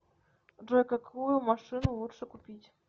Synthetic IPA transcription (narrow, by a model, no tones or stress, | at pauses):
ʐokakʰujumɑʂɨnulˠutʂəkupʲitʲ